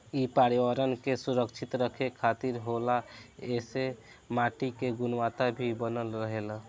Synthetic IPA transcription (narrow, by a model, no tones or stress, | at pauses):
ipaɾiwaɾənkesuɾəkt͡ʃʰit̪ɾəkʰekʰat̪iɾɦolaese | maʈikeɡunwat̪abʱibənəlɾəɦel